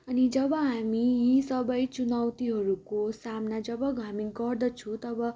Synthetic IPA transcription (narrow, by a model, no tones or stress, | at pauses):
ʌnid͡zʌbʌɦamijisʌbʌjt͡sunawt̪iɦʌɾukosamnad͡zʌbʌɡʱaminɡʌrd̪ʌt͡sʰũt̪ʌbʌ